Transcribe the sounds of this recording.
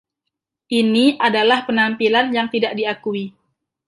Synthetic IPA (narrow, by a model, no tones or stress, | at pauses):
ʔiniʔadalahpənampilanjaŋt̪idaʔdiakui